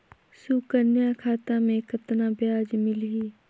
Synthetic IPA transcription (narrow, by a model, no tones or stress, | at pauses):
sukənjakʰaːt̪amẽkət̪nãːbjaːd͡ʒmɪliː